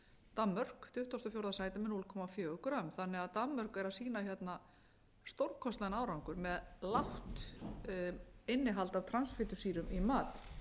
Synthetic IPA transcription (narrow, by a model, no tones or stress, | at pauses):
t̪amːœr̥kt̪ʰʏht̪ost̪ɔfjowɾðasaːjt̪ɪmɪnuːlkʰɔmafjœːɣʏkɾamθanːɛɣaðt̪amːœɾ̥kɛɾaðsiːnaçjɛt̪na | st̪owɾkʰɔst̪lanaːwɾawŋkʏɾmɛðlawht̪ | ɪnːɪɦalt̪avt̪ʰɾansfɪːt̪ʏsiːɾʏmimaːt̪